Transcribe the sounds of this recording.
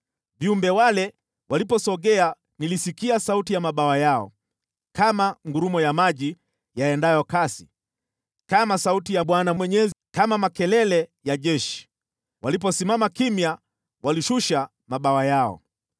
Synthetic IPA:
viumbɛwalɛ | wʔalipɔsɔɠɛa | nilisikiasautijamaɓawajaɔ̰ | kamaŋɡuɾumɔjamaʄi | jaɛndajɔkasi | kamasautijaɓwanawɛɲɛzkamamakɛlɛlɛjaʄɛʃi̥ | walip̬ɔsimamakimja | waliʃuʃa | maɓawajaɔ̰

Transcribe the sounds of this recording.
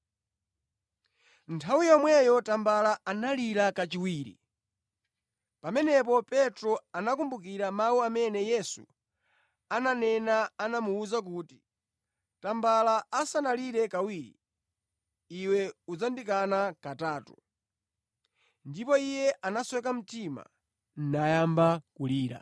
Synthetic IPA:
ntʰawijɔmwɛjɔtambalaanaliɾakat͡ʃiwiːɾḭ | pamɛnɛp̬ɔpɛtɾɔanakumbukiɾamawuamɛnɛjɛsṵ | ananɛnaːnamuːzak̬uːti | tambalaasanaliɾɛkawiːɾḭ | iwɛud͡zandikanakataːtu | ndipɔijɛʔanaswɛk̬am̩tima̰ | n̩najambakuliːɾa̰

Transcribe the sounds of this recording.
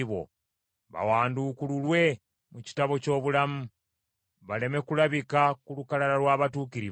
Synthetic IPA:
βo̞̰ | βa̰waːndukululwe̞ | muci̥taβo̞co̞ːβulamu | βale̞me̞kulaβikakulukalaɾalwaːβatuːkiɾi

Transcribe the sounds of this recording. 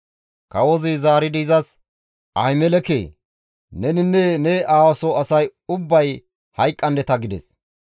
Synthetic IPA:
kɐwɔzɪzaːɾɪd̪ɪːzɐs | ʔɐjmɛlɛkḛː | nɛnɪnːɛnɛʔaːwɐsɔɐsɐjʊbːɐj | hɐjkʼːɐnd̪ɛt̪ɐɡɪd̪ɛ̰s

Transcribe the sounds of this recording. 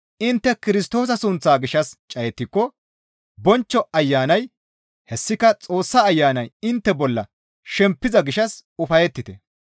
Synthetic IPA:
ʔɪnt̪ːɛkɪɾɪst̪o̞ːs̬ɐsʊnt͡sːaːɡɪʃɐst͡ʃʼɐjɛt̪ːɪkːɔ | bɔnt͡ʃːɔʔɐjːaːnɐj | hɛsːɪkɐt͡sʼo̞ːsːaːjːaːnɐjɪnt̪ːɛbɔlːɐ̰ | ʃɛmpːɪzɐɡɪʃɐsʊfɐjɛt̪ːɪt̪ɛ

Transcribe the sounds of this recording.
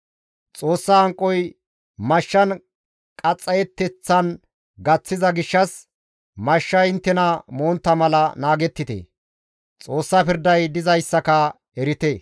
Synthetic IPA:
t͡sʼo̞ːsːɐːŋkʼːɔj | mɐʃːɐn | kʼɐt͡sʼːɐjɛt̪ːɛt͡sːɐn | ɡɐt͡sːɪzɐɡɪʃːɐs | mɐʃːɐjɪnt̪ːɛnɐmoːnt̪ːɐmɐlɐnaːɡɛt̪ːɪt̪ḛː | t͡sʼo̞ːsːɐpɪɾd̪ɐjd̪ɪzɐjsːɐkɐ | ɛɾɪt̪eː

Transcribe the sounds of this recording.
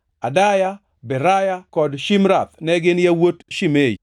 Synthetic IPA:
adaja | bɛɾajakɔdʃimɾat̪̚nɛɡɪnjawotʃimej

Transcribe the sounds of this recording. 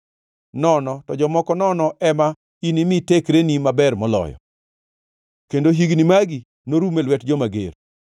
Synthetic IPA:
nɔnɔtɔd͡ʒɔmɔkɔnɔnɔʔɛma | inimɪtekɾenimabɛrmɔlɔ̰jɔ̰ | kendoɦiɡnimaɡi | noɾumelwɛtd͡ʒɔmaɡḛɾ

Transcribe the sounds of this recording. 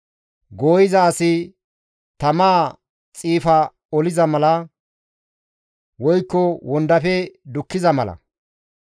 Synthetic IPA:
ɡoːjɪzɐːsɪ | t̪ɐmaː | t͡sʼiːfɐ | ɔlɪzɐmɐlɐ | wɔjkːɔwɔnd̪ɐfɛd̪ʊkːɪzɐmɐlɐ̰

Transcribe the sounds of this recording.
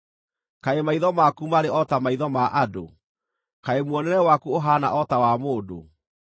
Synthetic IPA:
kaemaiðɔmakumaɾeɔtamaiðɔmaʔado̰ | kaemwɔnɛnɛwakuoɦana̰ʔɔtawamoːdo̰

